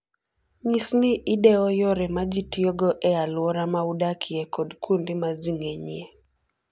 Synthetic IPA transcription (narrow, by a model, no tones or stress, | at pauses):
ɲisniʔɪdɛɔjɔɾɛmad͡ʒitioɡɔʔɛalwɔɾamaudakʰiɛkʰɔdkʰundimaziŋeɲie